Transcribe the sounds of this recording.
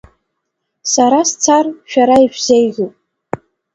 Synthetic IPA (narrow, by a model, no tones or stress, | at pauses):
saɾast͡sʰarʃᶣaɾaiʃᶣzejɣʲupʼ